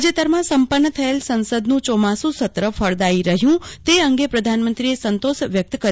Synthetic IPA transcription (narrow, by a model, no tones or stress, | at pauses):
d͡ʒet̪əɾmãsəmpənːət̪ʰəelsə̃nsəd̪nũt͡ʃɔmasũsət̪ɾəfʰəɾd̪aiɾəɦjũt̪eəŋɡepɾəd̪ʱanmənt̪ɾiesənt̪osʋjək̚t̪kə